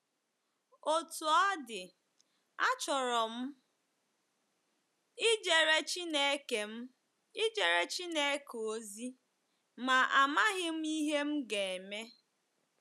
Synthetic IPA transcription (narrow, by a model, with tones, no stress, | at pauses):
o˦tu˨a˦dɪ˨ | a˦t͡ʃɔ˨ɾɔ˨m̩˦ | ɪ˦d͡ʒe˨ɾe˦t͡ʃi˦ne˦e˦ke˨m̩˦ | ɪ˦d͡ʒe˨ɾe˦t͡ʃi˦ne˦e˦ko˦zi˦ | ma˨ʔa˨ma˦ɣɪ˦m̩˦i˦ɦe˦m̩˦ɡe˨e˨me˦